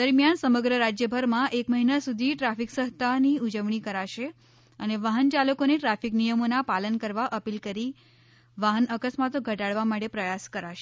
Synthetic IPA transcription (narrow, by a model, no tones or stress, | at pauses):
əɾmjansəməɡɾəɾad͡ʒjəbʱəɾmãʔekməɦinasud̪ʱiʈɾafiksəɦt̪ʰaniud͡ʒəʋɳ̃ikəɾaʃe | əneʋaɦənt͡ʃaləkoneʈɾafiknijəmonapalənkəɾʋaʔəpilkəɾi | ʋaɦənəkəsmat̪oɡʱəʈaɽʋamaʈepɾəjaskəɾaʃe